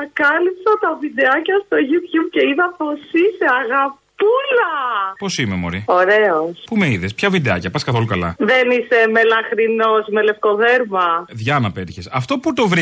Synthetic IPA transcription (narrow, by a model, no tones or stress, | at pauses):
ɐkɐlipsɐt̪ɐvid̪eɐcɐst̪oʝupçupce̞iðɐpo̞siseɐɣɐpulɐpo̞simemoɾio̞ɾe̞ospumeiðespçɐvid̪eɐcɐpɐskɐθo̞lukɐlɐ̰ðe̞nise̞me̞lɐxɾino̞sme̞le̞fko̞ðeɾmɐðʝɐnɐpeɾçesɐft̪o̞put̪o̞vɾi